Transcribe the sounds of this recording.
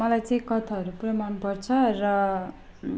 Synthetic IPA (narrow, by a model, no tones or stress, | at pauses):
mʌlajt͡saĩkʌt̪ʰaɦʌɾuprʌmanpʌrt͡sʰʌrʌ